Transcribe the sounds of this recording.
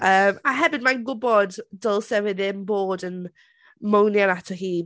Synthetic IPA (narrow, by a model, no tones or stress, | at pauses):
əːmaɦɛvɪdmajnɡʊbɔdːəlˠsɛvɪðɪnboːdən | mownjanatʰɔɦiː